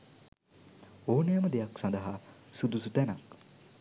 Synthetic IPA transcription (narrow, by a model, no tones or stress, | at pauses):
oːnəjəməd̪ejaksãnd̪ɐɦasud̪usut̪ænak